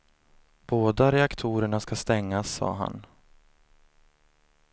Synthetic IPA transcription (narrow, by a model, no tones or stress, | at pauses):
b̥oːd̪aɾɛakt̪ʰuːɾəɳaskast̪ɛŋːasːɑ̰ːɦa̰n